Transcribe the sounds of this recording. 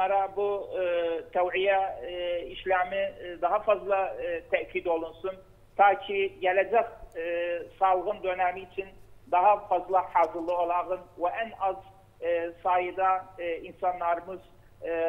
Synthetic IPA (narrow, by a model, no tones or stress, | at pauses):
mɑɾɑbu | t̪ʰæwʕijæ | iʃlæmid̪ɑɦɑfɑzlˠɑt̪ʰæʔkʲʰid̪olˠunsun | t̪ʰɑːkʰijɛlɛd͡ʒɛq | sɑlˠʁɯnd̪ønæmiːt͡ʃʰind̪ɑɦɑfɑzlˠɑħɑːzɯɾlˠɯolˠɑʁɯnwɛʔænɑz | sɑːjɯd̪ɑinsɑnːˠɑɾmɯz